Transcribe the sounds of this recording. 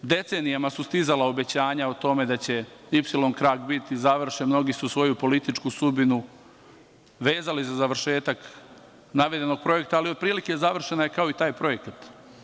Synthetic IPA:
d̪e̞t̪se̞ːnijamasust̪izalao̞be̞t͡ɕaːɲaot̪o̞me̞d̪at͡ɕe̞ipsilˠo̞nkɾaːɡbit̪izaʋr̩ʃemno̞ɡisusʋo̞jupo̞lit̪it͡ʃkusud̪binu | ʋe̞ːzalizazaʋr̩ʃe̞ːt̪ak | naʋe̞d̪eno̞ɡ̚pɾo̞je̞kt̪aːliopɾiːlike̞zaʋr̩ʃenaje̞kao̞it̪aːjpɾo̞je̞kat̪

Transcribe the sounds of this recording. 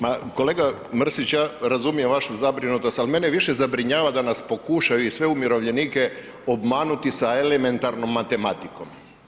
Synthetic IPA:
mako̞le̞ɡa | mr̩sit͡ɕjaːɾazumijemʋaʃuzabɾinut̪o̞st̪alime̞neʋiʃe̞zabɾiɲaːʋad̪anaspo̞kuʃajuisʋe̞umjiɾo̞ʋʎe̞niːke | obmaːnut̪isaeleme̞nt̪aɾno̞mːat̪e̞mat̪iko̞m

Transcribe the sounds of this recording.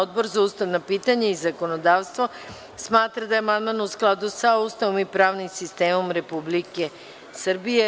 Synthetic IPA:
od̪boɾzaust̪aʋnapiːt̪aɲaizako̞nod̪aːʋst̪ʋo | smaːt̪ɾad̪ajemand̪manusklˠad̪usaust̪aʋomipɾaːʋnimsist̪eːmomɾe̞publike | sr̩bije

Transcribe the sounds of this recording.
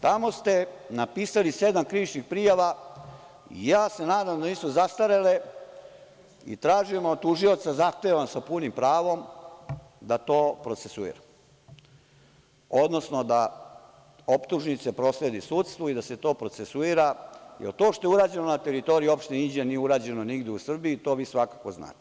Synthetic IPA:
t̪amo̞st̪e̞napiːsalise̞d̪amkɾiʋit͡ʃnixpɾijaʋa | ḭjaːse̞naːd̪amd̪aniːsuzast̪aɾele | ḭt̪ɾaːʒujemod̪̚t̪uʒio̞t̪sazaxt̪eʋamsapunimpɾaːʋo̞m | d̪at̪o̞ːpɾo̞t̪se̞suḭɾa | o̞d̪no̞sno̞d̪a | opt̪uʒnit̪se̞pɾo̞sled̪isuːt̪st̪ʋoid̪ase̞t̪o̞ːpɾo̞t̪sesuiːɾajelt̪oʃt̪o̞juɾaːd͡ʑe̞nonat̪e̞ɾit̪o̞ɾijuo̞pʃt̪eind͡ʑienijeuɾaːd͡ʑe̞noniɡd̪eusr̩biit̪o̞ːʋiːsʋakako̞zna̰ːt̪e

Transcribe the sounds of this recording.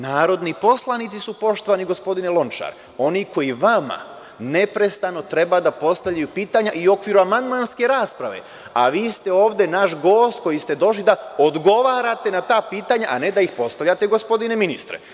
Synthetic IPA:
naːɾo̞d̪nipo̞slˠanit̪sisupo̞ʃt̪o̞ʋaniɡo̞spo̞d̪inelˠo̞nt͡ʃa̰ɾ | o̞nikʰo̞iʋama̰ | ne̞pɾe̞st̪ano̞t̪ɾe̞bad̪apo̞st̪aʋʎajupiːt̪aɲaʔio̞kʋiːɾuamand̪manske̞ɾaːspɾaʋe̞̰ | a̰ʋiːst̪e̞o̞ːʋd̪e̞naʃɡo̞ːst̪̚ko̞jist̪e̞d̪o̞ʃ̬lid̪aod̪ɡo̞ʋaːɾat̪e̞nat̪aːpiːt̪aɲaʔane̞d̪aixpo̞st̪aʋʎat̪e̞ɡo̞spo̞d̪ine̞minist̪ɾḛ

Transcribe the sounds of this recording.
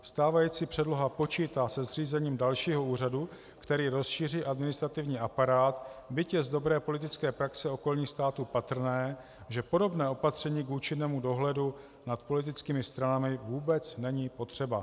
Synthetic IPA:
st̪aːvajiːt͡siːpr̥ɛdlo̞ɦapo̞t͡ʃiːt̪aːsɛzr̝iːzɛɲiːmdalʃiːɦo̞uːradu | kt̪ɛɾiːɾo̞sʃiːr̝iːʔadmɪnɪst̪ɾat̪ɪvɲiːʔapaɾaːt̪bɪcjɛzdo̞bɾɛːpo̞lɪt̪ɪt͡skɛːpɾaksɛo̞ko̞lɲiːxst̪aːt̪uːpat̪r̩nɛː | ʒɛpo̞do̞bnɛːo̞pat̪r̝̥ɛɲiːkuːt͡ʃɪnːɛːmudo̞ɦlɛdu | nat̪po̞lɪt̪ɪt͡skiːmɪst̪ɾanamɪvuːbɛt͡snɛɲiːpo̞t̪r̥ɛba

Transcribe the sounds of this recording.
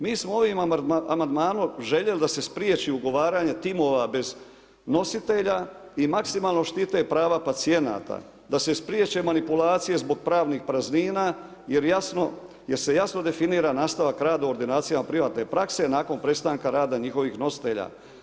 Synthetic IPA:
miːsmoo̞ʋimamand̪maːnomʒe̞ʎe̞lid̪ase̞spɾjet͡ʃiuɡo̞ʋaːɾaɲet̪imo̞ːʋabe̞z | no̞sit̪e̞ʎaimaksimaːlˠno̞ʃt̪it̪e̞pɾaːʋapat̪sie̞na̰ːt̪a̰ | d̪ase̞spɾjet͡ʃe̞manipulaːt̪sije̞zbo̞ɡ̚pɾaːʋnixpɾazniːnaː | je̞ɾjasno̞ | je̞ɾse̞jasno̞d̪e̞finiːɾanaːst̪aʋakɾaːd̪auoɾd̪inaːt̪sijamapɾiʋaːt̪ne̞pɾakse̞naːko̞npɾe̞st̪aːŋkaɾaːd̪aɲixo̞ʋiːxno̞si̥t̪e̞ʎa̰ː

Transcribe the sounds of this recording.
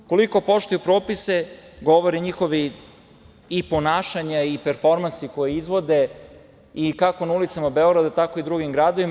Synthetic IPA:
ko̞liko̞po̞ʃt̪ojupɾoːpise̞ɡo̞ʋoɾiɲixo̞ʋi | po̞naːʃaɲaipeɾfo̞ɾmansiko̞jeizʋo̞d̪e̞ | ikako̞naulit̪samabeoɡɾad̪at̪ako̞id̪ɾuɡimɡɾaːd̪oʋim

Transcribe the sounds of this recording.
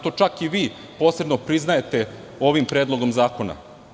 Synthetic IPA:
t̪o̞t͡ʃakiʋiː | po̞ːse̞b̪nopɾiznaje̞t̪e̞ | o̞ʋimpɾe̞ːd̪lˠo̞ɡo̞mzaːkona̰

